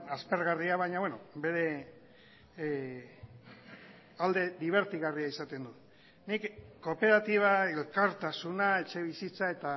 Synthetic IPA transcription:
aspe̞ɾɣariaβajɲaβwenobe̞ɾe̞ | ald̪e̞ðiβ̞e̞ɾt̪iɣariaisat̪e̞nd̪ut̪ | nikko̞pe̞ɾat̪iβ̞ae̞lkaɾt̪asunae̞t͡ʃe̞β̞isit͡sae̞t̪a

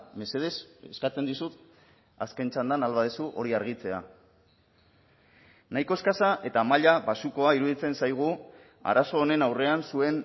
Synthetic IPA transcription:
me̞se̞ð̞e̞seskat͡se̞nd̪isut̪ | a̰ske̞nt͡ʃand̪analβaðesuʔo̞ɾiaɾɣ̞it͡se̞a̰ | najko̞e̞skasaʔe̞t̪amaʎaβasuko̞aiɾuðit͡se̞nsajɣ̞u | a̰ɾaso̞ːne̞nawre̞ansue̞n

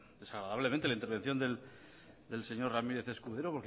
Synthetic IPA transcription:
d̪e̞saɣɾaðaβle̞mẽnt̪elaint̪eɾβ̞e̞n̟θjo̞nd̪el | d̪else̞ɲo̞rramiɾe̞θe̞skuðeɾopoɾk

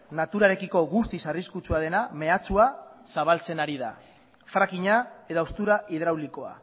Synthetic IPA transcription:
nat̪uɾaɾe̞kiko̞ɣust̪isariskut͡suað̞e̞name̞at͡suasaβ̞alt͡se̞naɾiða̰ | fɾakiɲae̞ðaost̪uɾaʔið̞ɾawliko̞a̰

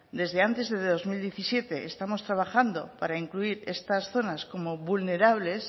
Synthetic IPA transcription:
d̪e̞zðe̞ant̪e̞zðe̞ððo̞zmild̪je̞θisje̞t̪e̞ːst̪amo̞st̪ɾaβ̞axand̪o̞paɾaiŋkluiɾe̞st̪asθo̞nasko̞mo̞βulne̞ɾaβ̞le̞s

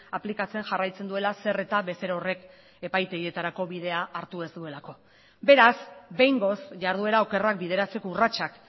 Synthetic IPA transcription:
aplikat͡se̞ŋʝarajt͡se̞nd̪ue̞lase̞re̞t̪aβe̞se̞ɾaore̞k | e̞pajt̪eɣie̞t̪aɾako̞βið̞e̞aʔːɾt̪ue̞zd̪ue̞lako̞ | be̞ɾazbe̞jŋɡo̞sʝaɾð̞ue̞ɾao̞ke̞rak̚bið̞e̞ɾat͡se̞kourat͡ʃak

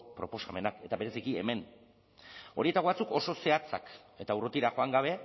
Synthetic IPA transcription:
pɾo̞po̞same̞nake̞t̪aβe̞ɾe̞sikie̞̰me̞n | o̞ɾie̞t̪aɣoat͡suko̞so̞se̞at͡sa̰k | e̞t̪aurot̪iɾaxo̞aŋɡaβ̞e̞

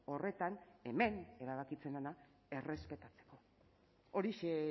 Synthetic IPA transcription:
o̞re̞t̪ane̞me̞ne̞ɾaβ̞akit͡se̞nana | e̞re̞spe̞t̪at͡se̥ko̞ | o̞ɾiʃe

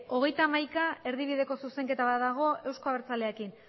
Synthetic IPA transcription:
o̞ɣ̞e̞jt̪amajkae̞ɾðiβ̞iðe̞ko̞suse̞ŋke̞t̪aβat̪ðaɣ̞o̞e̞wsko̞aβeɾt͡sale̞akin

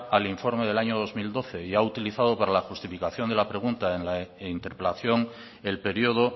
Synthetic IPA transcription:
aliɱfo̞ɾmeð̞e̞laɲo̞ðo̞zmild̪o̞θe̞iaut̪iliθaðo̞paɾalaxust̪ifikaθjo̞nd̪e̞lapɾe̞ɣ̞unt̪aenlaint̪e̞ɾpelaθjo̞ŋ | e̞lpe̞ɾjoð̞o

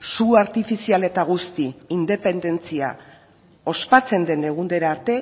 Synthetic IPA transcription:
suaɾt̪ifisiale̞t̪aɣ̞ust̪iːnd̪e̞pe̞nd̪e̞nt͡sia̰ | o̞spat͡se̞nd̪e̞ne̞ɣ̞und̪e̞ɾaːɾt̪e̞

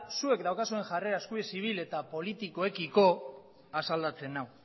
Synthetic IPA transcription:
sue̞kd̪awkasue̞ŋʝare̞ɾaeskuesiβ̞ile̞t̪apo̞lit̪iko̞ekiko̞ | asald̪at͡se̞naw

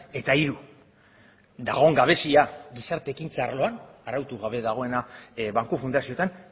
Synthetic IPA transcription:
e̞t̪aiɾu | d̪aɣo̞ŋɡaβ̞e̞siaɣisaɾt̪e̞ːkint͡saːɾlo̞anarawt̪uɣaβe̞ðaɣ̞o̞e̞naβaŋkufund̪asio̞t̪an

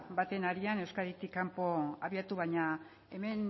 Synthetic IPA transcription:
bat̪e̞naɾiane̞wskaɾit̪ikːampo̞aβiat̪uβajɲa | e̞me̞n

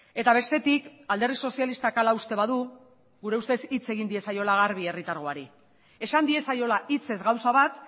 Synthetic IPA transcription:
e̞t̪aβ̞e̞st̪e̞t̪ikald̪e̞rðiso̞sialist̪akalaust̪e̞βaðu | ɣuɾe̞ust̪e̞sit͡se̞ɣ̞ind̪ie̞sajo̞laɣaɾβ̞ie̞rit̪aɾɣ̞o̞aɾi | e̞sand̪ie̞sajo̞lait͡se̞zɣawsaβat̪

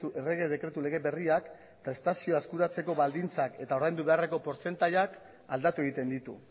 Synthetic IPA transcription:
uere̞ɣe̞ð̞e̞kɾe̞t̪ule̞ɣ̞e̞βe̞riak | pɾe̞st̪asio̞aeskuɾat͡se̞ko̞βald̪int͡sake̞t̪ao̞ɾðajnd̪uβe̞are̞ko̞po̞ɾt͡se̞nt̪aʎak | ald̪at̪ue̞ɣ̞it̪e̞nd̪it̪ṵ

